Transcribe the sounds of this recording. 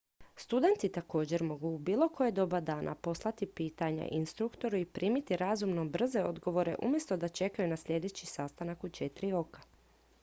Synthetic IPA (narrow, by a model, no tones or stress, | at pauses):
st̪ud̪e̞nt̪it̪ako̞ːd͡ʑe̞ɾmo̞ɡuːbiːlˠo̞kʰo̞jed̪o̞bad̪aːnʔa̰po̞slˠat̪ipiːt̪aɲa̰ʔinst̪ɾukt̪o̞ɾuipɾʔiːmit̪iɾazumnobr̩ze̞o̞d̪ɡo̞ʋo̞ɾe̞̰ʔṵmje̞st̪o̞d̪at͡ʃe̞kajunasʎe̞d̪e̞t͡ɕisast̪anakut͡ʃet̪ɾio̞kḁ